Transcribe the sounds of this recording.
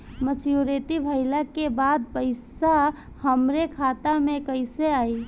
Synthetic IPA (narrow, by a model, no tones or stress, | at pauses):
mət͡ʃjuɾet̪ibʱəɪlakebad̪̚pəɪsa | həmɾekʰat̪amẽkəɪseai